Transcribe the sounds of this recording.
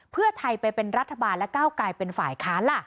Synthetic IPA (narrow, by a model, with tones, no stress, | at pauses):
pʰɯ˥˩ɐt̪ʰa˧jpa˧jpe˧nɾa˦˥t̪ʰːa˧baː˧nlɛ˦˥kaː˥˩wklaː˧jpe˧nfaː˨˩jkʰaː˦˥nla˥˩